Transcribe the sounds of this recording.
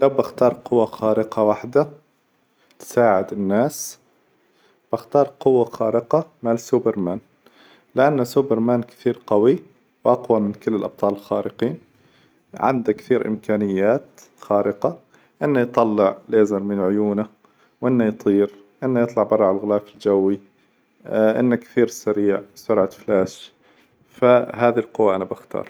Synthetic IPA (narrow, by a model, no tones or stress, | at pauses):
lawbaxt̪ɑːɾˤqʊwːaxaːɾɪqɑwaħd̪a | t̪saːʕɪd̪ɪnːaːs | b̥ɪxt̪ɑːɾˤqʊwːaxaːɾɪqɑmalsuːbɪɾmaːn | lɪʔanːasuːbɪɾmaːnkɪ̥θiːɾqawi | bʔɑqwamɪnkɪlːɪlʔɑb̚t̪ˤɑːlɪlxaːɾɪqiːn | ʕa̰nd̪akθiːɾʔɪ̰mkaːnɪjːaːt̪ | xaːɾɪqa | ʔɪnːajt̪ˤɑlːɪʕlʔeːzɪɾmɪnʕʊjuːna | wʔɪnːajt̪ˤiːɾ | ʔɪnːajɨt̪ˤlɑʕbɑrˤːaʕalɣɪlaːfɪld͡ʒawːi | ʔɪ̰nːakθiːɾsaɾiːʕsʊɾʕat̪flaːʃ | faɦaːðilqʊwːaʔanabaxt̪ɑ̰ːɾˤ